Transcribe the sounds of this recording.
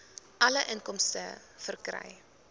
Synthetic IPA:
ʔɐləʔənkɔmstə̰ | fərkrɐ̰j

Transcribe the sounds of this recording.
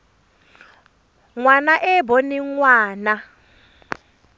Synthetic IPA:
ŋwanaʔɛbɔniŋwaːna

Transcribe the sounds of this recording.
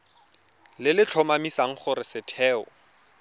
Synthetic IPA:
lɪlɪt͡ɬʰɔmamisaŋ̩χʊɾɪsɪtʰɛːʊ̰

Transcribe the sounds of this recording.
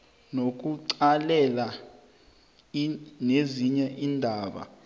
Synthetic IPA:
nok̬uǀalɛla | neziɲɛʔiːndʱaːɓa̰

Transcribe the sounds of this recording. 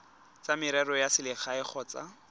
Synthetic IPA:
t͡samɪɾɛrɔjasɪlɪχaɪχʰɔːt͡sa

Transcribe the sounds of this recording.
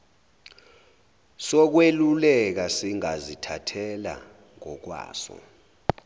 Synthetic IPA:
sɔk̬welulɛk̬asiŋazitʰatʰɛla̰ | ŋɔk̬wa̰ːsɔ̰

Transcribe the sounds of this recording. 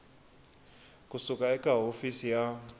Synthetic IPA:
kʼusukʼaɛkʼaɦofisija

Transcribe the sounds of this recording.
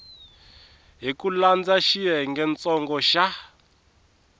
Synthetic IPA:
ɦikuland͡zaʃiɦɛŋɡɛnt͡sɔŋɡɔʃa

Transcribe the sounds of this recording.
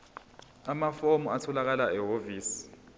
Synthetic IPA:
amafomuatʰɔlak̬alaɛɦoviːsi̥

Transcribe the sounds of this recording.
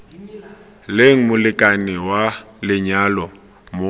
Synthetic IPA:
leŋ̩mʊlɪkʼanɪwalɪɲalɔ | mʊ

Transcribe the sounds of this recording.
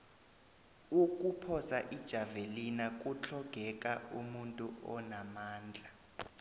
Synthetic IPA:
uk̬ʼupʰɔsaʔid̥ʒ̥ʱavelinak̬ʼut͡ɬʰɔɡ̥ʱɛkʼaumuntʼuʔɔnamaːnd͡ɮʱa

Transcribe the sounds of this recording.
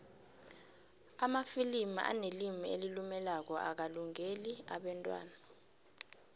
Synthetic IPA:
amafilima̰ʔa̰nelimielilumɛlak̬ɔʔa̰k̬aluŋeliaɓɛntʼwa̰ːna

